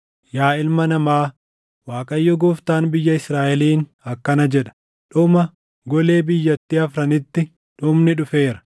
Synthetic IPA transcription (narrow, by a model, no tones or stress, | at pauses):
jaːɪlmɐnɐmaː | waːkʼɐjːɔɡɔːft̪aːnbɪjːɐɪsɾaːʔɛliːn | ɐkːɐnɐd͡ʒɛᶑɐ̥ | ᶑʊmɐ | ɡɔle̞ːbɪjːɐt̪ːiːɐfɾɐnɪt̪ːɪ | ᶑʊmnɪᶑʊfe̞ːɾɐ̥